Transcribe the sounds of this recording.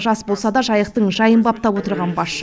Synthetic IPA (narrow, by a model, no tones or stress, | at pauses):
ʒɑsbo̞lˠsɑd̪ɑʒɑjəq̚t̪əɴʒɑjəmbɑp̚t̪ɑpwo̞t̪əɾʁɑnbɑʃ